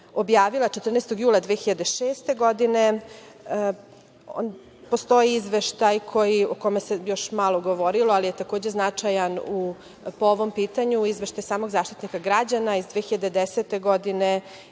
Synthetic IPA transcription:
o̞bjaːʋilˠat͡ʃet̪r̩nest̪oɡjuːlˠad̪ʋeːxiʎad̪eʃeːst̪e̞ɡo̞d̪ine | o̰n | post̪o̞iizʋeʃt̪ajkʰo̞jioko̞mesejo̞ʃmalˠoɡo̞ʋo̞ɾiloalijet̪ako̞ːd͡ʑe̞znat͡ʂajanu | pooʋo̞mpiːt̪aɲuizʋeʃt̪ajsaːmo̞ɡzaːʃt̪i̥t̪nikaɡɾad͡ʑanaizd̪ʋeːxiʎad̪ed̪eset̪e̞ɡo̞d̪ine

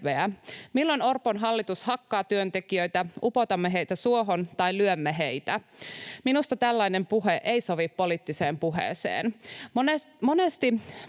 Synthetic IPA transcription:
eæmilːonorponɦɑlːit̪ushɑkːɑːt̪yønt̪ekiøjt̪æʔupot̪ɑmːeɦe̞jt̪æsuoɦont̪ɑjlyømːeɦe̞jt̪æminust̪ɑt̪ælːɑinempuɦeʔeisoʋipːoliːt̪ːiseːmpuɦḛːsḛːnmone | monest̪i

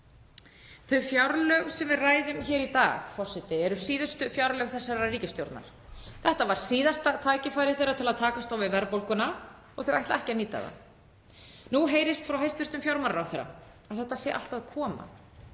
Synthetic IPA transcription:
θœɥfjawɾlœɣsɛmvɪraːjðʏmçɛːɾit̪a̰ːɣfɔr̥sɛt̪ɪɛɾʏsiːðʏst̪ʏfjawɾlœɣθɛsːaɾariːcɪst̪jowɾt̪na̰ɾ̥ | θɛht̪avaɾ̥siːðast̪at̪ʰaːjcɪfaːjɾɪθejɾat̪ʰɪlaðt̪ʰaːkast̪awvɪvɛɾpowlkʏna | ɔɣθœɥvajht̪lɛhcɪaniːt̪a̰ða̰ | nuɦeːjɾɪst̪fɾawɦejst̪vɪ̥st̪ʏmfjawɾmaɾawθejɾːa̰ | aðθɛht̪ːasjɛ̰ʔa̰lt̪aðkʰɔːma̰

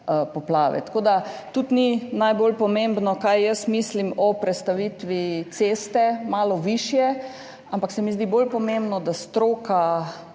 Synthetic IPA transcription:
pɔplaːʋɛ̰t̪ḁkoːd̪at̪ut̪ninajbolpɔmẽmbnɔkajjəsmislimɔpɾɛt̪st̪aʋit̪ʋit̪seːst̪ɛmaːlɔʋiʃjɛ | ampaksɛmizd̪ibolpɔmembnɔd̪ast̪ɾoːka

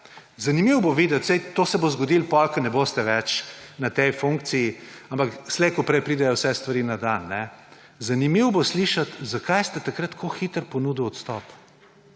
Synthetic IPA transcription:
zɐnimiwboʋiːd̪ɛt̪sɛjt̪oːsɛbozɡɔd̪ilpɔlkɐnɛboːst̪ɛʋɛt͡ʃnɐt̪ɛjfuŋk̚t̪sijiampakslejkopɾɛjpɾiːd̪ɛjɔwsɛst̪ʋɐɾiːnad̪anːɛ | zanimiwbosliʃat̪zakajst̪ɛt̪ɐkɾat̪kʰoxit̪əɾpɔnuːd̪əwɔt̪st̪ɔ̰p

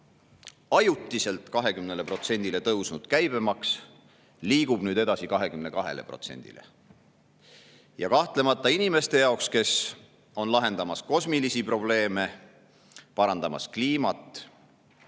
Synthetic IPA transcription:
ɑjut̪ːˑise̞lt̪ˑkɑɦe̞kymnele̞pro̞t̪se̞nʲd̪̥ile̞t̪ɤwsnud̪̥kæjb̥e̞mɑks | liːɡ̥ub̥nyːd̪e̞d̪ɑsikɑɦe̞kymne̞kɑɦe̞̰le̞̰pro̞t̪se̞̰nʲd̪̥ḭlḛ | jɑkɑht̪le̞mɑt̪ːˑɑinime̞st̪e̞jɑˑokske̞s | o̞nlɑɦe̞nd̪̥ɑmɑsko̞smilisipro̞b̥le̞ːme̞ | pɑɾɑnd̪ɑmɑ̰skliːmɑt̪ːˑ

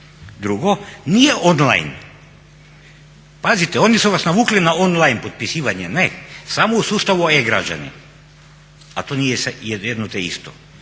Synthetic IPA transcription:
d̪ɾuɡonijeʔonlˠa̰jn | pazit̪eo̞nisuʋasnaʋuːklinaonlˠajnpot̪̚pisiːʋaɲenesamousuːst̪aʋueɡɾa̰d͡ʒa̰nḭ | at̪oːnijesjejed̪not̪eḭst̪o

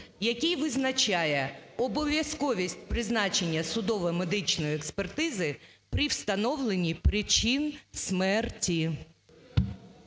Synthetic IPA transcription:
jɐkʲijʋɪznɐt͡ʃʲajɛɔbɔʋʲjɐskɔʋʲisʲtʲpɾɪznɑt͡ʃe̞nʲːɐsʊd̪ɔʋɐmed̪ɪt͡ʃnɔjiekspert̪ɪzɪ | pɾɪwst̪ɐnɔwlˠenʲːipɾɪt͡ʃinsmɛrtʲi

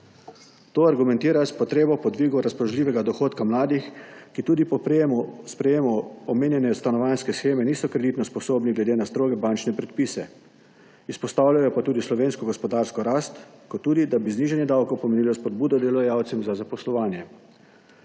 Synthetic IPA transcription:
t̪oːaɾɡumɛ̃nt̪iːɾaspɔt̪ɾeːbɔpɔd̪ʋiɡɔɾaspɾɔʒliːʋɛɡad̪ɔxoːt̪kamlaːd̪ixkit̪uːd̪ip | spɾɛjeːmɔɔmeːnjɛnɛst̪anɔʋanskɛsxeːmɛniːsɔkɾɛd̪it̪nɔspɔsoːbniɡlɛd̪eːnast̪ɾoːɡɛbant͡ʃnɛpɾɛt̪̚piːsɛ | ispɔst̪awlʲjajɔpat̪uːd̪islɔʋeːnskɔɡɔspɔd̪aːɾskɔɾaːst̪kɔt̪ːuːd̪id̪abizniʒɛnjɛd̪awkɔwpɔmeniːlɔspɔd̪̚buːd̪ɔd̪ɛlɔjawt̪sɛmzazapɔslɔʋaːnjɛ

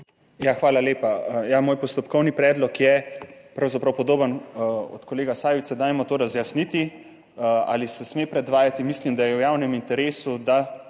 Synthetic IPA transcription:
jaxʋaːlaleːpajamoːjpɔst̪ɔpkɔwnipɾɛːd̪lɔkjɛpɾawzapɾɐwpɔd̪oːbənɔ̰t̪kɔleːɡasaːʋit̪sɛd̪aːjmɔt̪oːɾazjasnit̪i | a̰ːlisɛsmepɾɛd̪ʋaːjat̪imislimd̪ajɛwjaːwnɛmint̪ɛɾeːsud̪a

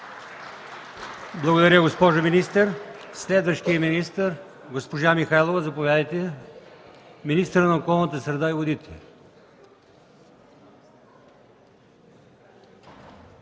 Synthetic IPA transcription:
blˠɐɡod̪ɐɾʲəɡospɔʒominist̪əɾslɛd̪vəʃt̪ijəminist̪əɾ | ɡospoʒamixaɛlˠovɐzɐpovʲjad̪əjt̪ɛ | minist̪əɾənɐokɔlˠnət̪̬əsɾɛd̪aivod̪it̪ʰɛ

